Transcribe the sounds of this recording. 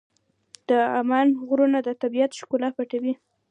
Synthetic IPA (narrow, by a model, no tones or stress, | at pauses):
d̪̥əamɑnɣɾunad̪ət̪abijat̪ʃkulapaʈawi